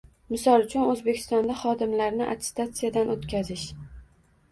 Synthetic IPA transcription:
mɪsɒlˠʊt͡ʃʰʊnɵzbe̞kʲʰɪ̥st̪ɒnd̪aχɒd̪ɪmlaɾnɪʔa̰t̪ʰɪ̥st̪at̪sɨjad̪anot̪kʲazɪʃ

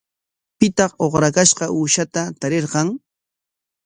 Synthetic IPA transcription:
pɪt̪ɑχoχɾakaʃqɑʔuːʃat̪at̪aɾeɾqɑŋ

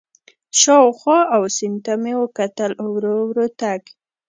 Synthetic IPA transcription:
ʃɑwxwɑawsɪnt̪amewəkat̪əlʊwɾowɾot̪aɡ

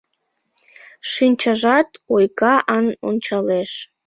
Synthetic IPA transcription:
ʃinʲt͡ɕəʒɑt̪ojkɑʔɑno̰nʲt͡ɕɑleʃ

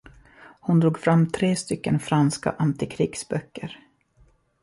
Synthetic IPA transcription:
hʊnd̪ɾuːɡfɾamːt̪ʰɾeːst̪ʏkːənfɾanska̰ʔant̪ɪkʰɾiːɡsbœkːəɾ

